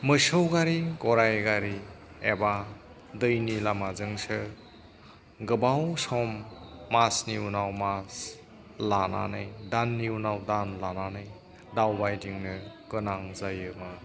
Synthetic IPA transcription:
mɯsɯwɡaɾiɡɔɾajɡaɾi | eba | dɯjnilamazɯŋsɯ | ɡɯbawsɔmːasniunawmas | lana̰nɯjdanːiunawdanlananɯj | dawbajdiŋnɯɡ̥ɯnaŋzajɯmɯ

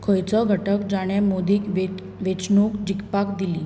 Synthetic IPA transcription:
kʰəjt͡sɔɡʱəʈək̚d͡ʑaɽ̃jamod̪iːkʋe | ʋet͡snukd͡ʑikpakd̪ili

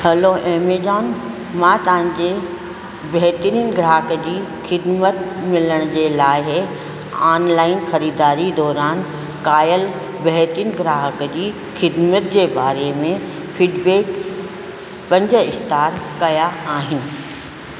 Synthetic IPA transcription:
hɐloʔeːmeːd͡ʒaːn | mãt̪ɐʋə̃ɲd͡ʑe | bɛɦt̪ɾiːnɡɾaːɦəkəd͡ʑiːxɪd̪mət̪mɪləɽ̃ʊd͡ʑeːlaːɦ | aːnlaːɪnxɐɾiːd̪aːɾid̪ɔːɾaːn | kaːjəl | bɐɦt̪ɾiːnɡɾaːɦəkəd͡ʑiː | xɪd̪mət̪d͡ʑeːbaːɾemẽ | fɪɖbeːk | pɐ̃ɲd͡ʑə̆ɪxt̪aːɾkɐjaaːɦɪnɪ̆

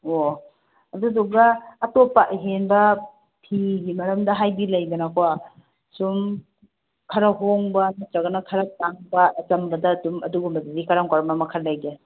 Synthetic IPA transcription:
o | ɐduduɡɐːtopːaʔɦenbɐ | pʰiɦimɐɾɐmdɐɦajbilɐjdɐnakʰowa | sum | kʰɐɾɐɦoŋbɐnɐt͡ʃɐɡɐnɐkʰɐɾɐtaŋbɐːt͡ʃɐmbɐdɐdumɐduɡumɐzidikaɾaŋkaɾɐmɐmɐkʰaɾlɐjɡe

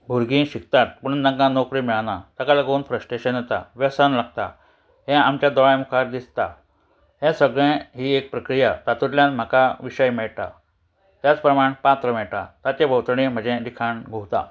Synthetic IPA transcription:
bʱuɾɡĩɕik̚t̪at̪̚puɳd̪ãŋkãnokɾiːmiɭanat̪akalaɡouːnfɾəsʈeɕənjet̪a̰ʋɛsanlaɡ̚t̪a̰ | ɦɛ̃amt͡ɕjad̪ɔɭajmukʰaɾd̪ist̪a | ɦɛ̃səɡɭẽɦiːek̚pɾəkɾijat̪at̪ut̪ljãnm̤akaʋiɕəjmɛɭt̪a̰ | t̪jat͡spɾəmaɳpãt̪ɾəmɛɭʈ̪a̰t̪at͡ɕẽbʱəwt̪ɾəɳim̤əd͡ʑẽd̪ikʰaɳɡʱoɦt̪a̰

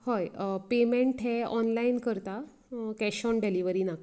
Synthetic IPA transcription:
hojpemeɳʈɦɛɔnlainkəɾt̪a | kɛɕɔnɖeliʋəɾiːnak

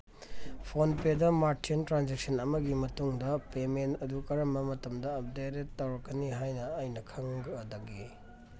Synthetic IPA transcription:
pʰonpedɐmaɾtʰintɾand͡ʒek̚sɐnɐmɐɡimɐtuŋdɐpementɐdukɐɾɐmbɐmɐtɐmdɐɐp̚deɾetːawɾɐkːɐniɦajnɐɐjnɐkʰɐŋɡɐdɐɡi

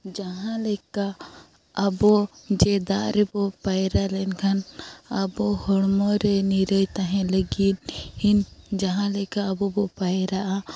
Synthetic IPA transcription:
d͡ʒaɦãlɛkaː | bɔd͡ʒɛd̪aʔɾɛbɔpajɾalɛnkʰanabɔhɔɽmɔɾɛniɾəjt̪aɦɛ̃ləɡinhind͡ʒaɦãlɛkaːbɔbɔpajɾaʔa

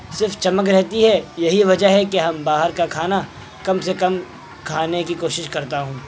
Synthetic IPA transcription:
sɪɾft͡ʃɐmək̬ɾɛɦt̪iɦɛjɐɦiʋɐd͡ʒəɦɦɛkeɦɐmbaːɦəɾkakʰaːna | kɐmsekɐm | kʰaːnekikoːʃɪʃkɐɾt̪aɦũː

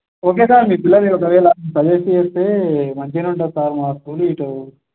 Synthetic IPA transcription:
oːk̬eːsaːɾmiːpilːɐɾeɔk̬ɐʋɛːlɐsɐd̪eːsieːst̪eːmɐɲt͡ʃinuɳʈɐsaːɾmaːst̪uːluiːʈou

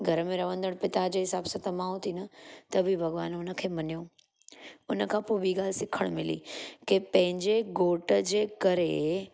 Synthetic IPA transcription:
ɡʱɐɾəmẽɾɐʋə̃nd̪əɽ̃pɪt̪ad͡ʑeːɦɪsaːbsɐt̪ɐmãːõt̪ʰinɐt̪ɐbʱibʱɐɡʋaːnʊnə̆kʰeːmɐnijoː | ʊnə̆kʰãːpoɓiːɡaːlsɪkʰəɽ̃mɪlḭːkepɐ̃ɦɪ̃ɲd͡ʑeɡoːʈəd͡ʑeːkɐɾe

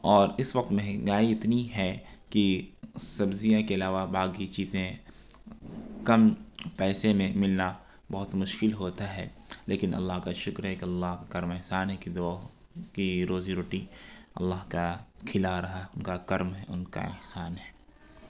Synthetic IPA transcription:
ɔːɾɪsʋɐk̚t̪mɛɦɡaːiɪt̪niɦɛkisɐbzijãkeɪlaːʋabaːɡit͡ʃiːzẽ | kɐmpɛːsemẽmɪlna | bɐɦʊt̪mʊʃkɪlɦoːt̪aɦɛ̰ː | leːkɪnʔɐ̰lːaːɦkaʃʊkɾɦɛkiɐlːaːɦkakɐɾmɛɦsaːnɦɛkid̪o | kiɾoːziɾoːʈiɐ̰lːaːɦkakʰɪlaɾɐɦaɛʊnkakɐɾmɦɛʊnka̰ɪ̰hsaːnɦɛː

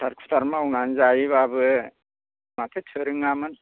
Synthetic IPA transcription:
tʰaɾkʰu̥tʰaɾmaawnanzajiβabɯ | matʰɯtʰɯɾɯŋamɯn

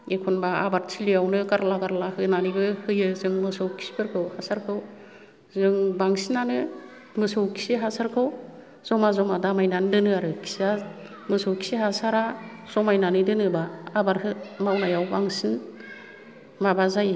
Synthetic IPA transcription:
ekʰɔnbaabaɾtʰiliawnɯkaɾlakaɾlahɯjnaniɡɯhɯjɯzɯŋmɯsɯwkʰi̥si̥pɯɾkʰɯwhasaɾkʰɯw | zɯŋbaŋsinanɯ | mɯsowkʰi̥siɦasaɾkʰɯw | z̥ɔmazɔmadamajnandɯnɯaɾɯkʰi̥sia | mɯsɔwkʰi̥siɦasaɾa | z̥ɔmajnanɯdɯnɯbaːbaɾhɯmawnajawbaŋsin | mabazaj

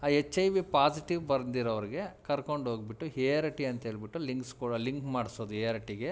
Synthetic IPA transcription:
aːet͡ʃːɐjʋipaːsiʈiʋbɐɾd̪iɾɐʋɐɾiɡe̞kɐɾko̞ɳɖɦoːɡbiʈːuɦeːɾɐʈiɐnt̪ɐɦeːɭbiʈːuliŋkskuːɽɐliŋkmaːɖsoːd̪uɦejɐɾɐʈiɡe̞

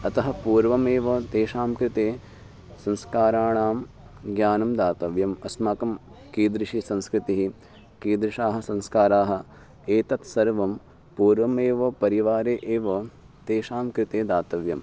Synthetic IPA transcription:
ɐt̪ɐɦɐ̆puːɾʋɐmeːʋɐt̪eːʃaːmkɾɪt̪eː | sɐ̃nskaːɾaːɳaːm | ɡjaːnɐmd̪aːt̪ɐʋjɐmɐsmaːkɐm | kiːd̪ɾiʃisɐ̃nskɾɪt̪iɦi | kiːd̪ɾiʃaːɦɐ̆sɐ̃nskaːɾaːɦɐ̆ | eːt̪ɐt̪sɐɾʋɐm | puːɾʋɐmeːʋɐpɐɾiʋaːɾeːʔeːʋɐ | t̪eːʃaːmkɾɪt̪eːd̪aːt̪ɐʋjɐm

